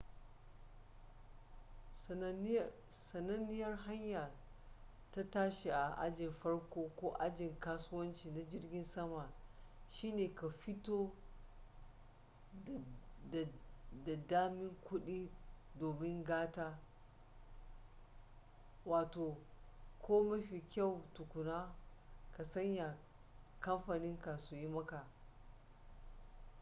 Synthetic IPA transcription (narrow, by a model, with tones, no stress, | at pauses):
sɐ˨nɐ˦nɪ˦jɐ˦rɦa˦ɲja˨ | ta˦taː˦ʃi˨ʔa˨ʔa̰˦d͡ʒɪ˨mɸɐ˦ɽkʷoː˦kʷoː˦ʔa˦d͡ʒɪ˨ŋkaː˦sʊ˦wɐ˦nt͡ʃiː˨na˦d͡ʒɪ˦rɡʲɪ˦nsɐ˦ma˨ʃiː˦neː˨ka˨ɸɪ˦toː˦˨ | da˨daː˦mɪ˦ŋkʷʊ˦ɗiː˦doː˨mɪ˦ŋɡaː˦taː˦ | waː˨toː˨kʷoː˦mɐ˦ɸi˨kʲa˦˨wtʊ˨kʷʊ˨naː˦ka˨sɐ˦ɲja˨ | kɐ˦mɸaː˨nɪ˦ŋka˨su˨ji˦mɐ˦ka˨